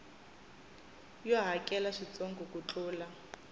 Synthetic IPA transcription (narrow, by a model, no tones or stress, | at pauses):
jɔɦakɛlaʂit͡soŋɡɔkut͡ɬuːla